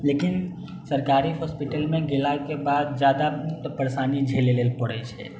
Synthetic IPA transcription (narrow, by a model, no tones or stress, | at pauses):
lekin | səɾkaɾiɦɔspiʈəlmẽɡelakebaːd̪̚d͡ʒjad̪at̪ɔpəɾsanid͡ʒʱelelelpəɽɛ̰t͡ʃʰɛ̰